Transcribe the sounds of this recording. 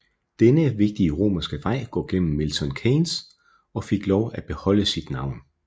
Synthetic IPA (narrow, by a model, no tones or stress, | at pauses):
d̥enəʋe̝ɡ̥̚d̥iəʁo̝̰ːmɐsɡ̥əʋɑ̈ɪ̰ɡ̥ɔ̰̽ːɡ̥en̰m̩ːelt͡sʰɒ̽nkʰens | ɒ̽fe̝ɡ̥lɒʊæb̥e̝hɒ̽l̰əsid̥nɑ̈ʊ̰n